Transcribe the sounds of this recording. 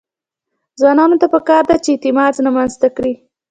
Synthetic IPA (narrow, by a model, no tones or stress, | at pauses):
zwɑnɑnot̪apəkɑɾd̪at͡ʃeɪt̪ɪmɑznamanzt̪akɽi